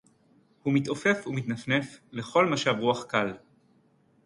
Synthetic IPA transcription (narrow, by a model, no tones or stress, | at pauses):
humit̪o̞fe̞fumit̪nafne̞fle̞χo̞lmaʃavʁuaχkal